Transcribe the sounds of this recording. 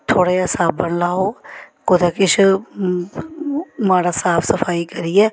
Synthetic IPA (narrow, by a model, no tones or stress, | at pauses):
t̪ʰoːɽaasaːbəɳlaːoːkoːd̪akɪt͡ʃ | maːɽaːsaːpʰsəpʰaːikəɾiɛː